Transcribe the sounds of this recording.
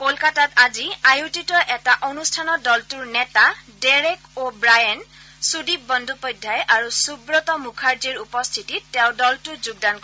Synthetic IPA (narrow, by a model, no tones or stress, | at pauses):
kolkatataziajutitɔʔɛtaʔonustʰanɔdɔltuɹnɛtadeɹekobɹajan | sudip̚bɔndʱupɔjdʱːajʔaɹusubɹɔtɔmukʰaɹd͡ʒiɹupɔstʰitiːɛʊdɔltʊzuɡ̚dankɔ